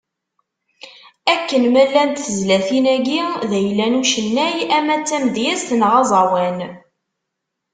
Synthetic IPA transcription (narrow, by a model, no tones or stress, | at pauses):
ækːənmælːænt̪θəzlæθinæɡiðæjlːænuʃənːæjæmæt͡sːæmd̪jæst̪ənʁɑzˤɑwæn